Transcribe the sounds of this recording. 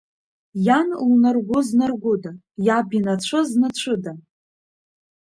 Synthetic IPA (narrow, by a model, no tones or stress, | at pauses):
janlnarɡʷʊznarɡʷʊda | jabinat͡ɕʷʰɨznat͡ɕʷʰɨda